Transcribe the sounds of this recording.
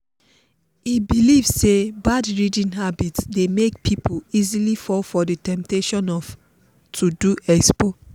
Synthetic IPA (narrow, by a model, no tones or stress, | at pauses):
ibilivsebadɹidĩnɦabitsdemekpʰipʰoizilifɔlfɔdətɛ̃mp̚teʃɔ̃nɔf | tʰuduʔɛkspo